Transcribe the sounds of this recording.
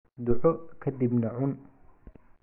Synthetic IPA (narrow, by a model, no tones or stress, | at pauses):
d̪ʊʕɔkʰɐd̪ibnɐʕʊn